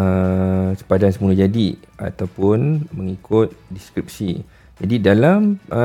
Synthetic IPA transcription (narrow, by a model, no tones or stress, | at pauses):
əsə̥padansəmũlud͡ʒadia̰t̪awpʊnməŋikʊt̪̚diskɾip̚si | d͡ʒadidalamʔə